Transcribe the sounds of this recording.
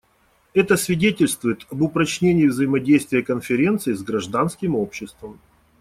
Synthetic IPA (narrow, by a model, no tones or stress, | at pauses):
ɛt̪əsvʲɪdʲetʲɪlʲst̪vʊjɪt̪ɐbʊpɾɐt͡ɕnʲenʲɪːvzəɪmɐdʲejst̪vʲɪjəkənfʲɪɾʲe̞nt̪sɨɪzɡɾɐʐd̪anskʲɪmopɕːɪst̪vəm